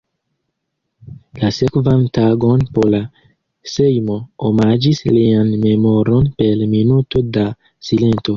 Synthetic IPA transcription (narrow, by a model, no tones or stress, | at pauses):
lasekvantaɡonpola | sejmoomad͡ʒislianme̞moɾo̞npe̞lminuto̞da | silento̞